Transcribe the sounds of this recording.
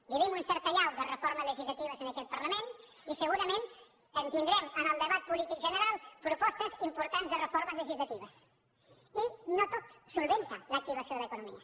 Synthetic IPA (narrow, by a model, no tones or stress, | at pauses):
biβimunsɛɾt̪əʎawd̪ərəfoɾməzləʒizlət̪iβəzənəkɛt̪̚pəɾləmen | isəɣuɾəmen | ənt̪ind̪ɾɛmənəlˠd̪əβat̪̚pulit̪ikʒənəɾalˠpɾupɔst̪əzimpuɾt̪anzðərəfoɾməzləʒizlət̪iβəs | inot̪ot̪ssulˠβent̪ələk̚t̪iβ̞əsioðələkunumḭə